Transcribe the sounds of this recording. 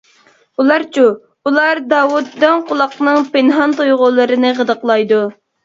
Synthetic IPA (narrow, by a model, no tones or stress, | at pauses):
ulˠɑɾt͡ʃʰu | ulˠɑɾd̪ɑːwut̪ːɛŋqʊlˠɑqnɨŋpenɦɑnt̪ujʁʊlˠɨɾɨnɨʁəd̪əqlˠɑjd̪u